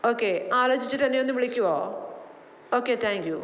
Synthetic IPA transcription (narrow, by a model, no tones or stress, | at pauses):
oːkːeːaːlɐd͡ʑit͡ɕːɨt̪ɐnːejonːɨʋiɭikʲːuoː | oːkːeːt̪ʰãːŋkju